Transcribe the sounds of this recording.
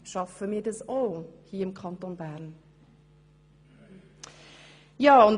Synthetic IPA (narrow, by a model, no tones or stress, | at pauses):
ʃɑfəmiːdəsolhiːəəmkʰɑntonbæɾn | jɑːʊn